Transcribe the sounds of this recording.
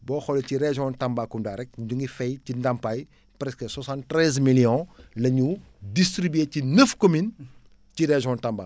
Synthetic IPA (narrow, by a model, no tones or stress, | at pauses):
bɔːxɔlɛciɾeʒɔ̃ntambakːundaːɾɛk̚ɟuŋɡifɛjcindɐmpaj | pɾɛskəswasãntɾɛzmilijɔ̃lɐɲu | distɾibyecinəfkomin | ciɾeʒɔ̃ntamba̰k